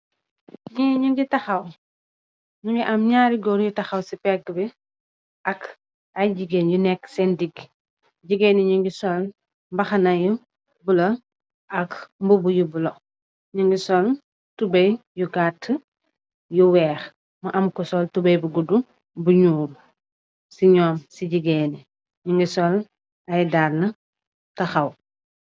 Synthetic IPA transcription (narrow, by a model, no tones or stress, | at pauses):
ɲiɲuŋɡitɐxɐw | ɲuŋɡiʔɐmɲaːɾiɡɔɾjutɐxɐwsipɛk̚dubɛ | ʔɐk | ajd͡ʒiɡenjunɛkːsɛndiɡ | ɟiɡɛniɲuŋɡisɔl | mbɐxɐnɐju | bulɐ | ɐkmbubujubulɐ | ɲuŋɡisɔl | tubɐjjuɡatː | juwɛːx | mɐʔɐmkɔsɔltubɐjbuɡudu | buɲuːɾ | siɲɔːmsiɟiɡeni | ɲiŋɡisɔl | ɐjdaːlnɐ | tɐxɐw